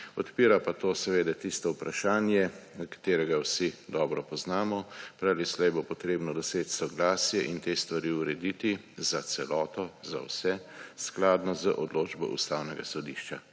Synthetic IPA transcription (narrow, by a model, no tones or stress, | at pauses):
ɔt̪piːɾapat̪oːsɛʋeːd̪ɛt̪ist̪ɔupɾaʃaːnjɛkḁt̪eːɾɛɡawsid̪ɔːbɾɔpɔznaːmɔpɾalislɛjbopɔt̪ɾeːbnɔd̪ɔseːt͡ʃsɔɡlaːsjɛʔint̪eːst̪ʋaɾiuɾɛd̪it̪i | zat̪sɛlɔːt̪ɔza̰wsɛsklaːd̪nɔzəʔɔd̪loːd͡ʒbɔ̰ʔṵst̪awnɛɡasɔd̪iʃt͡ʃa